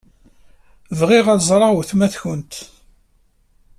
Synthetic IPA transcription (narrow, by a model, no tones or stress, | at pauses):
vʁiʁæzˤɾˤɑwθmæθçənt̪